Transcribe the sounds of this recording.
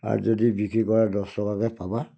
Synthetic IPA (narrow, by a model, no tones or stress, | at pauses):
a̰ɾd͡ʒɔdibikikɔɾadɔsɔkakɛpaba